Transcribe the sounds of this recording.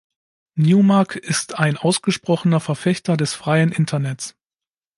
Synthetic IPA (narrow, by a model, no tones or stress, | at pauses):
njuːmaɐkʰɪstʰaɪnʔaʊsɡ̥əʃpʁ̥ɔχənɐfɛɐfɛçtɐdɛsfʁ̥aɪənʔɪntʰɐnɛt͡s